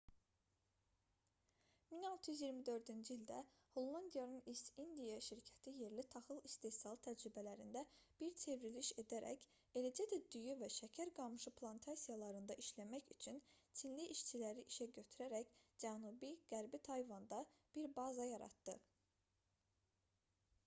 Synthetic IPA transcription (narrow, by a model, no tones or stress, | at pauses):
minɑlˠt̪ʰɯjyzjiɾmid̪ø̞ɾd̪ynd͡ʒiilʲd̪æho̞lˠːɑnd̪ijɑnɯnisind̪ijɑʃiɾcʰæ̥t̪ʰije̞ɾlit̪ʰɑχɯlˠist̪e̞sɑlˠt̪ʰæd͡ʒɾybælæɾind̪æb̥iɾt͡ʃʰe̞vɾiliʃe̞d̪æɾæ̰c | e̞læd͡ʒæd̪æd̪yjyvæʃæcʰæɾɡɑmɯʃɯpʰlˠɑnt̪ʰɑsijɑlˠɑɾɯnd̪ɑʔiʃlæmæçyt͡ʃʰynt͡ʃʰinliʔiʃt͡ʃʰilæɾiʔiʃæɟøt̪ʰyɾæɾæcd͡ʒænubiɡ̥æɾbit̪ʰɑjvɑnd̪ɑb̥iɾbɑzɑjɑɾɑ̰t̪d̪ɯ